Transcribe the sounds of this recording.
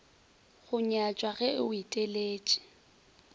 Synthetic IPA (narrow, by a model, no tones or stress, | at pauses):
ɣʊɲat͡ʃʼwaɣɛʊitʼeleːt͡ʃʼɪ̥